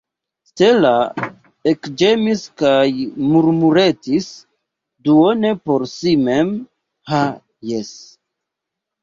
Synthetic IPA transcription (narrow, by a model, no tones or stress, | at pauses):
ste̞la | ekd͡ʒemiskajmuɾmuɾe̞tis | duone̞po̞ɾsime̞m | ha | jes